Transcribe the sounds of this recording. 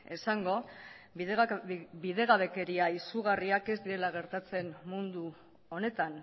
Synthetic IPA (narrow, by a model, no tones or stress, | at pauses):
e̞saŋɡo̞ | biðe̞ɣaβe̞ke̞ɾiaisuɣ̞ariake̞zd̪iɾe̞laɣ̞e̞ɾt̪at͡se̞nmund̪u | o̞ne̞t̪an